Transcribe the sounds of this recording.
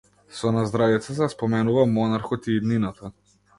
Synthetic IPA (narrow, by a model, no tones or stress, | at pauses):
sɔnazd̪ɾavit̪sat̪ɛspɔmɛnuvamɔnaɾxɔt̪iːd̪ninat̪ʰa